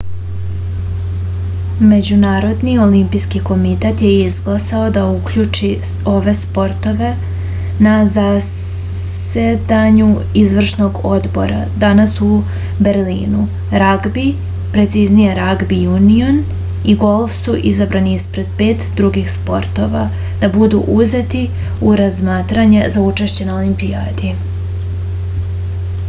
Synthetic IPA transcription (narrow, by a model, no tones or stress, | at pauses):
me̞d͡ʑunaːɾo̞d̪nio̞limpijskiko̞mit̪et̪je̞izɡlˠasao̞d̪aukʎut͡ʃi | o̞ʋe̞spo̞ɾt̪o̞ʋe̞ | naza | se̞d̪aɲu | izʋr̩ʃno̞ɡo̞d̪bo̞̰ɾʔa̰ | d̪anasu | be̞ɾlḭːnu | ɾaɡbi | pɾe̞t̪siznijeɾaɡbijunion | iɡo̞lˠfsuʔizabɾaniispɾe̞d̪̥̚pe̞ːt̪d̪ɾuɡixspo̞ɾt̪o̞ʋa | d̪̥abud̪ṵʔuze̞t̪i | uɾazmaːt̪ɾaɲe̞zaut͡ʃeʃt͡ɕe̞naolimpijaːd̪i